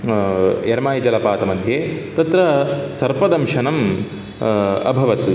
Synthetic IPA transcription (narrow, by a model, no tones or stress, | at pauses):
jɐɾmaːjɐd͡ʒɐlɐpaːt̪ɐmɐd̪ʱjeːt̪ɐt̪ɾɐsɐɾpɐd̪ɐmʃɐnɐm | ɐ̰bʱɐʋɐt̪u